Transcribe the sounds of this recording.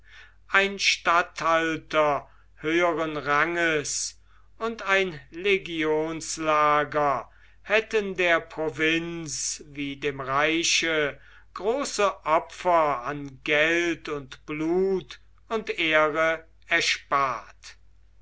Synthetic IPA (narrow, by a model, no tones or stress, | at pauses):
ʔaɪnʃtathaltɐ | høːəʁənʁaŋəs | ʊntaɪnleɡioːnslaːɡɐ | hɛtəndeːɐpʁ̥ovɪnsviːdeːmʁaɪʃə | ɡ̥ʁoːsəʔɔfɐanɡɛltʊntb̥luːt | ʊnteːʁə | ɛɐʃpaːɐt